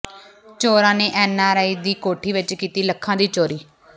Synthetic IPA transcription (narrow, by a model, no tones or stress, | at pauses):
t͡ʃoːɾãːneːʔɛːnaːɾaːiːd̪iːkoːʈʰiːʋɪt͡ʃkiːt̪iːləkʰːãːd̪iːt͡ʃoːɾiː